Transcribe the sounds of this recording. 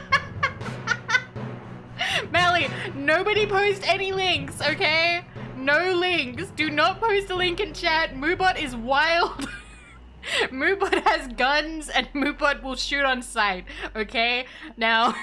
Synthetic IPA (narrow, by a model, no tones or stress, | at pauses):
mælˠinoʊbɨɾipʰoʊstɛnilɪ̃ŋksoʊkʰeɪnoʊlɪ̃ŋksd̥ɨnət̚pʰoʊstəlɪ̃ŋkɨ̃nt͡ʃʰæt̚mʉbʌɾɪzwaɪlˠd̥ | mʉbʌt̚hɨzɡʌ̃nzɨ̃nmʉbʌt̚wɪlˠʃʉɾn̩saɪt̚oʊkʰeɪ | naʊ